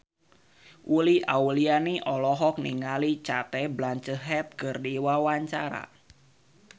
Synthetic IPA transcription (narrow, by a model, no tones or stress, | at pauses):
ʔuliʔaulianiʔɔlɔɦɔk̚niŋalit͡ʃat̪ɛblaɲt͡ʃəɦɛt̪̚kərdiwawaɲt͡ʃaɾa̰